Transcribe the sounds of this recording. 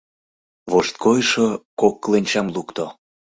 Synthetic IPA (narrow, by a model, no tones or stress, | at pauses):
βoʃt̪̚kojʃokokːlenʲt͡ɕɑmlukt̪o